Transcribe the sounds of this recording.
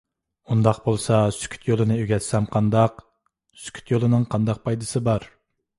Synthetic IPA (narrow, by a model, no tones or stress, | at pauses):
und̪ɑqbolˠsɑsy̥kʲʰy̥t̪jolˠɨnɨøɡʲɛt̪sɛmqʰɑnd̪ɑq | sy̥kʲʰy̥t̪jolˠɨnɨŋqʰɑnd̪ɑq̚pʰɑjd̪ɨsɨbɑɾ